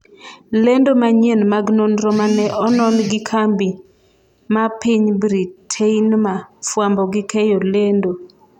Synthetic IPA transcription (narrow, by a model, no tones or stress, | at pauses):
lendomaɲenmaɡnonɾɔmanɛʔɔnɔnɡɪkʰambi | mapiɲbɾitʰeinmafwambɔɡɪkɛjolendo